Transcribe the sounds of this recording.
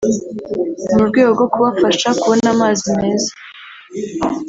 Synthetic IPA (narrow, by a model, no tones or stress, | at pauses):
umubɡeːɡoɡo̞kuβafaʃakuβo̞naːmaːzime̞ːzḁ